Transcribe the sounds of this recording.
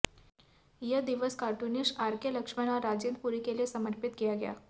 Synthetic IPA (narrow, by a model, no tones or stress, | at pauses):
jəd̪iʋəskaʈunisʈaɾkjeləkʂmanaɾad͡zend̪̚puɾikelesəməɾpit̪̚ɡijaɡja̰